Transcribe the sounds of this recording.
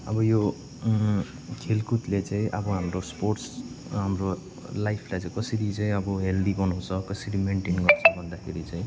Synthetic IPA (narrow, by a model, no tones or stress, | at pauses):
ʌ̰bʌjo | kʰelkut̪let͡saĩʔʌbʌɦamɾosporʈs | ɦamro | lajpʰlajt͡sãĩkʌsʌɾit͡saĩʌbʌɦeldiɡʌnɦũt͡sʰʌkʌsʌɽimeɳʈinɡʌrt͡sʰʌbʱʌnd̪akʰeɾit͡saĩ